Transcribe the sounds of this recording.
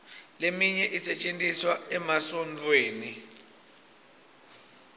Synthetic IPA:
lemiɲɛʔisɛt͡ʃʼentʼiswaɛmasɔnd͡ɮʰʼweːni

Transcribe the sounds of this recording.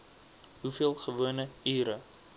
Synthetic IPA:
ɦufiəlˠχəvuənəiːɾə

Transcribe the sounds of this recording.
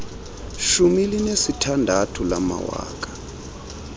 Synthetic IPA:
ʃumilinesitʰandʱatʰulama̰wa̰ːkʼḁ

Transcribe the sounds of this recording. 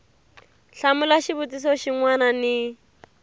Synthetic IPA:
ɬamʊlaʃibutis̬ɔʃiŋwananɪ

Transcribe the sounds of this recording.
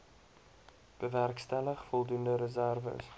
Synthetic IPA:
b̥əværkstæləχfɔlˠdundəɾəzærvə̰s

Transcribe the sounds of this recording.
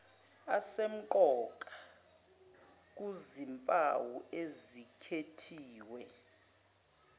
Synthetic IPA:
asem̩ǃɔkʼḁ | k̬uzimpʼawuezikʰetʰiːwɛ

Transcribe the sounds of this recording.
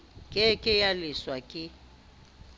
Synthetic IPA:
kʼɪkʼɪjalɪswakʼɪ

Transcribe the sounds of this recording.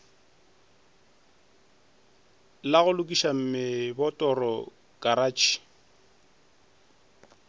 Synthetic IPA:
laɣʊlʊkʼiʃam̩mɪbɔtʼɔrɔ | kʼaɾaːt͡ʃʰʼi̥

